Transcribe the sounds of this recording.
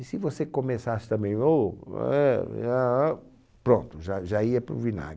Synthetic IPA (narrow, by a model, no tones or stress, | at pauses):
sɪvosekomesasɪ̥t̪ɐ̃mbẽj̃oɛa | pɾõnt̪ʊʒaʒaiɐpɾʊ̰vina̰ɡ